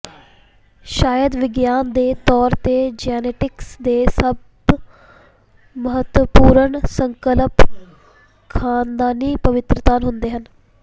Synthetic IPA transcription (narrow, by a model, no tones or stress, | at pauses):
ʃaːjəd̪ʋɪɡjaːnd̪eːt̪ɔːɾt̪eːd͡ʒɛːneːʈɪksd̪eːsəb | məɦət̪wəpuːɾəɳsəŋkələp | kʰaːnd̪aːniːpəʋɪt̪ɾət̪aːnɦʊnd̪eːɦən